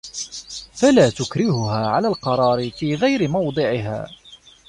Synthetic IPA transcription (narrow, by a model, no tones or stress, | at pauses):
falaːt̪ʊkɾɪhʊɦaːʕalaːlqɑɾˤɑːɾɪfiːɣajɾɪmɑwd̪ˤɨʕɪɦa̰ː